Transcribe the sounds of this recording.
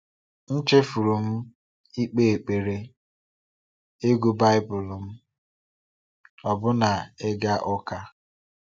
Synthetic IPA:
n̩˦t͡ʃe˦fu˨ɾu˨m̩˦ | i˦k͡pe˦˨e˨k͡pe˨ɾe˦ | e˦ɡu˦ba˦ɪ˦bʊ˨lm̩˦ | ɔ˨bʊ˦na˨e˦ɡa˦ʔɔ˦ka˦

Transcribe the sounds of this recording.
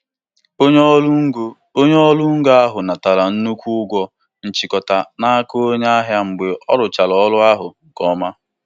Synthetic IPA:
o˦ɲ˦ɡo˦ | o˦ɲe˦ɔ˦lʊ˦ŋ̩˦ɡo˦a˦ɦʊ˨na˨ta˨la˨n̩˦nu˦kʷu˦ʊ˦ɡʷɔ˦ | n̩˨t͡ʃi˨kɔ˨ta˨na˦a˦ko˦o˦ɲa˦a˦ɦja˦ŋ͡m̩˨ɡ͡be˨ʔɔ˦ɾʊ˨t͡ʃa˨lɔ˨˦lʊ˦a˦ɦʊ˨ | kɔ˨ma˦

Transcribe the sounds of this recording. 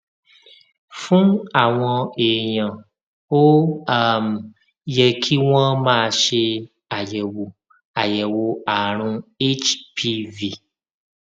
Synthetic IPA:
fũ˦a˨w̃ɔ̃˧e˨ɲɔ̃˨ | wo˦a˨m˨ | jɛ˨kʰi˦w̃ɔ̃˦mãː˦˨ʃe˧ | a˨jɛ˨wo˨ | a˨jɛ˨wo˦a˨ɾ̃ũ˦e˦t͡ʃpʰi˦vi˨

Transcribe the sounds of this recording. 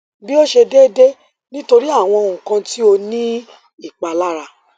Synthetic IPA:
bi˦o˦ʃe˧de˦de˦ | nĩ˦to˧ɾi˦a˦˨w̃ɔ̃˧ŋũ˨kã˧ti˦o˧nĩ˦ | i˦˨k͡pa˧la˦ɾa˧

